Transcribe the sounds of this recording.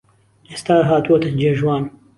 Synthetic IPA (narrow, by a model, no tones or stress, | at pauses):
est̪aːɾɦaːt̪uwɐt̪ɨd͡ʒeːʒwaːn